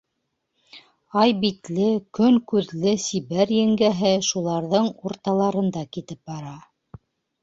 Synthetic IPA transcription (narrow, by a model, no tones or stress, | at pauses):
ɑjbit̪lɘkɵŋkʉðlɘsiβæɾjɘ̆ŋɡæɦɘʃulˠɑɾðɤɴuɾt̪ɑlˠɑɾɤ̆nd̪ɑkit̪ɘp̚bɑɾɑ